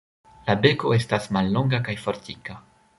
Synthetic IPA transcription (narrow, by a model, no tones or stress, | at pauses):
labe̞koestasmalːoŋɡakajfoɾt̪ika